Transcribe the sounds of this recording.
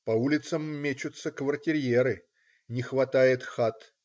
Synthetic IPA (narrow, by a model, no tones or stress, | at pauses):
pɐulʲɪt̪səmːʲet͡ɕʊt̪səkvərtʲɪɾʲjeɾɨ | nʲɪxvɐt̪ajɪt̪xat̪